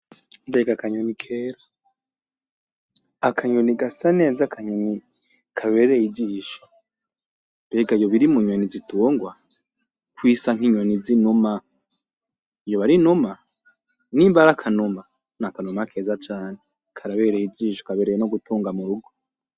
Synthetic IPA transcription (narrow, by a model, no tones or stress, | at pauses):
mbeɡakaɲonikʰeːɾa | akʰaɲoniɡasane̞ːzakʰaɲoni | kʰaβeːɾejid͡ʒiːʃo̥ | mbeːɡaijoβiɾimuɲonizituːŋɡwa | kwisaŋ̥iɲonizinuma | ijoβaɾinuma | nimbaɾakʰanuma | nakanumakʰe̞ːzat͡ʃaːne | kʰaɾaβeːɾejid͡ʒiːʃo̥kaβeɾejenoɡutʰuːŋɡamuɾuɡo